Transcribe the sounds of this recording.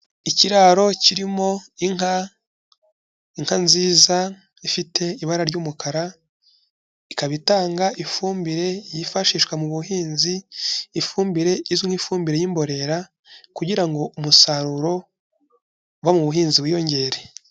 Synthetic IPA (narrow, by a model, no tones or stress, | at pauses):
iciɾaɾo̞ciɾimo̞iŋa | iŋ̥hanziːza | ifitʰe̞iβaɾaɾɟuːmukʰaɾa | ikaβitaːŋɡaʔifuːmbiɾe̞jifaʃiʃkwamuβuɦiːnziːfuːmbiɾe̞izuŋ̥ifuːmbiɾe̞jiːmbo̞ɾe̞ɾa | kuɟiɾaŋɡo̞ʔumusaɾuɾo̞ | βwamuβuɦiːnziβwiːjo̞ɲɟe̞ɾe̞